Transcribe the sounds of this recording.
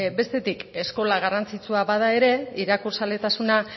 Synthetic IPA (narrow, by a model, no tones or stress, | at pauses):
be̞st̪e̞t̪ike̞sko̞laɣarant͡sit͡suaβað̞ae̞ɾe̞iɾakuɾsald̪e̞t̪asuna